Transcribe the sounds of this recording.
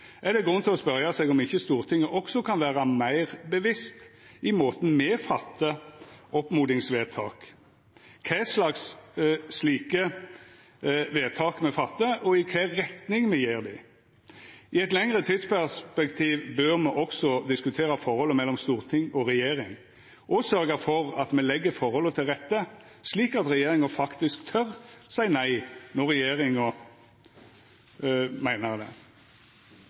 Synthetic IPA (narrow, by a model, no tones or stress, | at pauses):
ʔɛd̪ɛɡɾʉnːt̪ʰɪlɔspœʁjɑsɛɡɔmɪçːəst̪uːʁt̪ʰɪŋːəʔɔksɔkʰɑnʋæːʁɑmæɪʁbəʋɪst̪ʔɪmoːt̪n̩mɛːfɑt̪ʰːəɔpmuːd̪ɪŋsʋeːt̪ʰɑ̰ːk | kʰæɪslɑksː | liːkə | ʋeːt̪ʰɑːkmɛfɑt̪ːəʔɔɪkʰæɾɛt̪nɪŋmɛjeːʁd̪ɪ | ɪɛt̪lɛŋɾət̪ʰiːd̪spæʁspɛkt̪ʰiːʋbøɾmɛʔɔksɔd̪ɪskʉt̪ʰeːɾɑfɔɾhɔlːəmɛlːɔmst̪uːʁt̪ʰɪŋɔɾɛjeːɾɪŋ | ʔɔsœɾɡəfɔɾɑt̪mɛlɛɡːəfɔɾhɔlːət̪ʰɪlʁɛt̪ːə | sliːkɑt̪ʁɛjeːɾɪŋəfɑkt̪ɪskt̪ʰœʁsæɪnæɪnɔʁɛjeːɾɪŋɔ | mæɪnəʁd̪ɛ̰